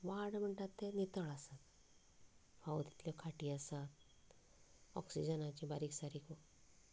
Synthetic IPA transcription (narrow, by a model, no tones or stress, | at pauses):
ʋaɽm̤əɳʈat̪ːenit̪əɭasat̪ | fawt̪i̥t̪ljɔkʰaʈiːasat̪ | ɔ̰ksid͡ʑənat͡ɕibaɾiksaɾikɔ